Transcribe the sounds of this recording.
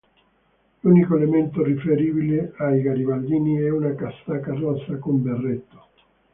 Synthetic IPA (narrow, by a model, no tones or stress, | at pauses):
lunikoelement̪orifeɾiːbileajɡaɾivald̪iːniɛunakast̪akarasːakomberːet̪ːo̥